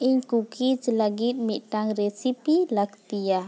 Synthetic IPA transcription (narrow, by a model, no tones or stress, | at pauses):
ʔiɲkukit͡ʃlaɡit̪̚miʔʈaŋɾɛsipilak̚t̪ija